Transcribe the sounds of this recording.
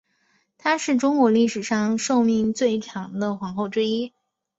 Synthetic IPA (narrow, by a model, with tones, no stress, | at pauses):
t̪ʰa˥ʂɻ̩˥˩ʈ͡ʂʊ˥ŋkwɔ˧˥li˥˩ʂɻ̩˨˩ʂɑ˥˧ŋʂo˥˧ʊmi˥˧ŋt͡swe˥˩ɪʈ͡ʂʰɑ˧˥ŋd̪ə˧xwɑ˧˥ŋxo˥˩ʊʈ͡ʂɻ̩˥i˥